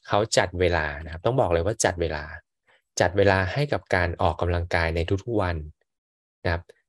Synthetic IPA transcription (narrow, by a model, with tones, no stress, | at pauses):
kʰa˦˥wt͡ɕa˨˩t̪̚weː˧laː˧na˦˥kʰa˦˥p̚t̪ɔ˥˩bɔː˨˩k̚lɤː˧waː˥˩t͡ɕa˨˩t̪̚weː˧laː˧ | t͡ɕa˨˩t̪̚weː˧laː˧ha˥˩jka˨˩p̚kaː˧nʔɔː˨˩kːa˧mla˧ŋkaː˧jna˧jt̪ʰu˦˥kt̪ʰu˦˥k̚wa˧n | na˦kʰa˦˥p̚